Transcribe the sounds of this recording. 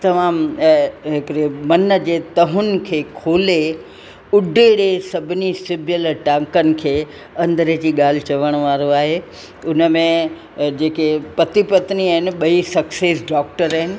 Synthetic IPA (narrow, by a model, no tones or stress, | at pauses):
t̪ɐmaːm | ɦɪkɪɾemɐnəd͡ʑeːt̪ɐɦʊnɪ̆kʰeːkʰoːle | ʊɖʱeɽesɐbʱɪnisɪbʱjəlʈãːŋkənɪ̆kʰeː | ɐ̃nd̪əɾəd͡ʑiːɠaːl̤ɪt͡ɕɐʋəɽ̃ʋaːɾoaːɦe | ʊnəmẽ | d͡ʑeːkepɐt̪ipɐt̪niaːɦɪnɪ̆ɓɐisɐkseːsɖɔːk̚ʈəɾaːɦɪnɪ̆